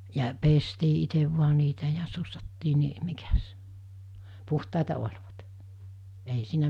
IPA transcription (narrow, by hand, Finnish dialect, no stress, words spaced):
jɑ pestiː iteʋ ʋuɑ niːtæ jɑ susːɑtːiː ni mikæs puhtɑˑetɑ olʲʋɑt ei siːnæ